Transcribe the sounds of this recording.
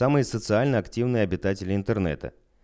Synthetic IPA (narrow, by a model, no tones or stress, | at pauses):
amɨjəsət̪sɨalʲnəɐktʲivnɨjəɐbʲɪt̪atʲɪlʲɪɪnt̪ərnɛ̰t̪ə̰